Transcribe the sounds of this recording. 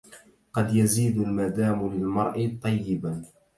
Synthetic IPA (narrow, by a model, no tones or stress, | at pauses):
qɑd̪jaziːd̪almad̪aːmlɪlmɑɾˤʔɪt̪ˤːɑjːɪba